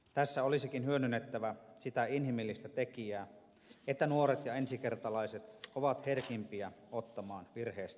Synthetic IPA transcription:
t̪æsːæolisikinhyønynːet̪ːæʋæsit̪æinhimilːist̪æt̪ekiæː | et̪ːænuoɾet̪jɑensike̞rt̪ɑlɑiset̪oʋɑt̪herkimpiæot̪ːɑmɑːnʋirheːst̪æ̥

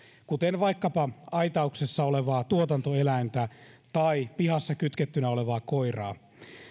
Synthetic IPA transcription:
kut̪enʋɑikːɑpɑɑit̪ɑuksesːɑoleʋɑːt̪uot̪ɑnt̪oelæint̪æt̪ɑipihɑsːɑkyt̪ket̪ːynæoleʋɑːkoirɑ̰ː

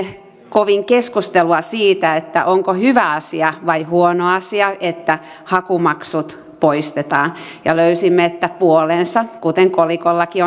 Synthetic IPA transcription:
koʋiŋkeskust̪eluɑsiːt̪æet̪ːæ̰ʔoŋkohyʋæɑsiɑʋɑihuonoɑsiɑʔet̪ːæ | hɑkumɑksut̪ | poist̪et̪ɑːn | jɑ̰løysimːeet̪ːæpuolensɑkut̪eŋkolikolːɑkio

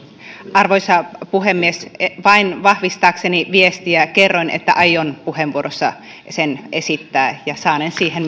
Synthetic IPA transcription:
ʔɑrʋoisɑpuhemːiesʋɑinʋɑhʋist̪ɑːkseniʋiest̪iækerːoinḛt̪ːæ̰ʔɑjonpuheʋʋuoɾosːɑ | senesit̪ːæːjɑsɑːnensiːɦen

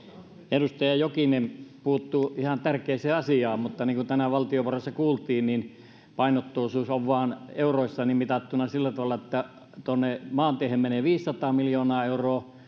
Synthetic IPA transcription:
erust̪ɑjɑjokinempuhːt̪ːuihɑnt̪ærkeiseːɑsiɑːmmut̪ːɑniːŋkut̪ænæʋɑlt̪ioporɑsːɑkuːlt̪iːnnin | pɑinot̪ːoːsuːsoʋʋɑːneuroˑisːɑnimit̪ɑt̪ːunɑsilːæt̪ɑʋɑlːɑet̪ːæ | t̪onːemɑːnt̪iehemmeneːˑʋiːssɑt̪ɑːmiljoːnɑːeuroː

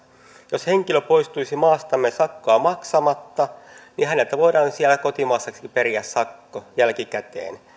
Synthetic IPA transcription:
josheŋkiløpoist̪uisimɑːst̪ɑmːesɑkːoɑmɑksɑmɑt̪ːɑnihænelt̪æʋoidɑːnsiælːækot̪imɑːsːɑksi̥kiperiæssɑkːojælkikæt̪ḛːn

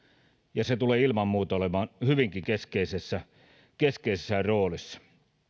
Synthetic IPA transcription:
jɑset̪uleːilmɑmːuːt̪olemɑːnhyʋiŋkikeskeisesːæ | keskeisesːæroːlisːɑ̥

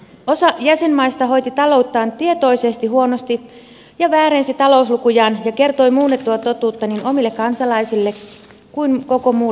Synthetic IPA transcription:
o̞sɑjæse̞nmɑjst̪ɑɦo̞jt̪it̪ɑlo̞wt̪ːɑːnt̪ie̞t̪o̞ise̞st̪iɦuonost̪i | jɑʋæːɾensit̪ɑlo̞uslukujɑːnjɑke̞rt̪o̞jmuːnːet̪ːuɑt̪o̞t̪uːt̪ːɑnino̞milːekːɑnsɑlɑisilːe | kujnko̞ko̞muː

